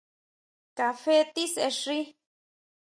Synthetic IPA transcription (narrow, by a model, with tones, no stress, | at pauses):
ka˨fe˦t̪i˦se˧ʂi˦